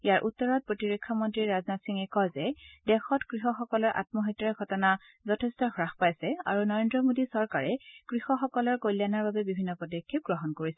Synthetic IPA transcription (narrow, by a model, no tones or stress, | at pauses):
ijaɹʔutːɔɹɔt̚pɹotiɹekʰːɔmɔntɹiɹɹaznatsiŋɛkɔlzɛdɛxɔtkɹixɔxɔkɔlɔɹʔa̰t̚mɔɦɔtːɔɛkɔtɔna | zɔtʰɛstɔxɹaxpajsɛa̰ɹunɔɹendɹɔmodisɔɹkaɹɛkɹixɔxɔkɔlɔɹkojljanaɹbabɛbibʱinːɔpɔdɔkʰːip̚ɡɹɔɦɔnkoɹisɛ